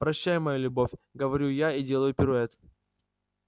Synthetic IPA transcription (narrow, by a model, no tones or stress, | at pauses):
pɾɐɕːæjʊmɐjulʲʊbo̞fʲɡəvɐɾʲujaidʲe̞lˠəjʊpʲɪɾʊɛt̪